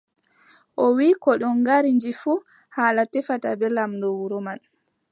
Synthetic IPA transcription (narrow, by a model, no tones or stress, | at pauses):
ʔɔwikɔɗɔnɡaɾind͡ʒifu | haːlatɛfata̰bɛlamndɔwuɾɔman